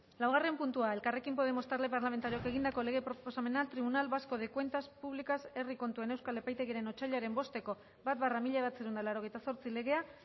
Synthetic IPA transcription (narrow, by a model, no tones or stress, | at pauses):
lawɣ̞arempunt̪uae̞lkare̞kimpo̞ð̞e̞mo̞st̪aɾle̞paɾlamet̪aɾioke̞ɣind̪ako̞le̞ɣ̞e̞pɾopo̞same̞nalt̪ɾiβunalβasko̞ðekwe̞nt̪aspuβlikase̞riko̞nt̪ue̞ne̞wskale̞pajt̪e̞ɣiaɾe̞no̞t͡ʃaʎoaɾembo̞st̪e̞ko̞ | bat̪̚baramiʎaβat͡seɾeund̪alaɾo̞ɣ̞e̞jt̪aso̞ɾt͡sile̞ɣe̞a